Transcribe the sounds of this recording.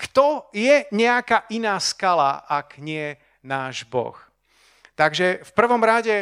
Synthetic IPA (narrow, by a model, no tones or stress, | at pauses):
kt̪ɔjɛɲɛakaːʔinaːskala̰akɲɪɛ | naːʒbɔ̰x | t̪aɡʒɛfpr̩ʋɔmɾaɟɛ